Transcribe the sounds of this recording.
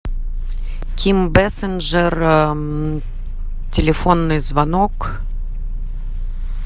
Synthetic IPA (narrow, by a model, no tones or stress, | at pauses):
kʰʲimbɛsɨnʐɛr | tʲɪlʲɪfonːɨjzvanok